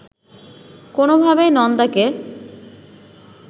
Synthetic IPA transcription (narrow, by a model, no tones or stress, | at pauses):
konobʱabejnɔnd̪ake